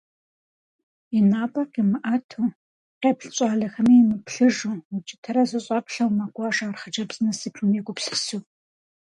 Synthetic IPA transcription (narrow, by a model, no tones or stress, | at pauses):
inaːpʼɐqimɨʔɐtʰuː | qeːpɬɕʼɑːɮɐxɐmiːmɨpɬɨʒuːwut͡ʃʼɪtʰɐɾɐzɨɕʼɐpɬɐwmaɡʷɑːʂaːrχɐd͡ʒɐbzɨnɐsiːpʰɨmiɡʷʼʊpsɨ̥suː